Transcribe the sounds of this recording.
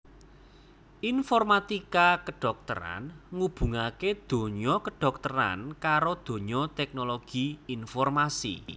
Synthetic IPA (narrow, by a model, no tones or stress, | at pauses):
ʔinfɔrmat̪ikakəɖ̥ɔ̤k̚t̪ə̰ɾa̰nŋub̥ṳŋaked̪̥o̤ɲɔkəɖ̥ɔ̤k̚t̪əɾa̰nkaɾod̪̥o̤ɲɔt̪ɛk̚noloɡ̥iinfɔrmasḭ